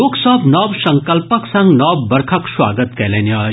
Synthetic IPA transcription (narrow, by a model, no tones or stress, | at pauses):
oːɡsəbnɔːbsɐŋkəlpəksɐ̃ŋɡnɔbːɐɾkʰəkswa̰ːɡət̪kɛlɛna